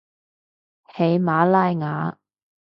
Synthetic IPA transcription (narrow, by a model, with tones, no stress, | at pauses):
he˨˧jmaː˨˧˥laː˥jŋaː˨˥